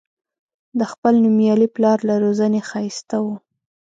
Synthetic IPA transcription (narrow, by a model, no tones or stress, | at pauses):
d̪əxpəlnumjɑliplɑɾlaɾozənexɑjst̪awu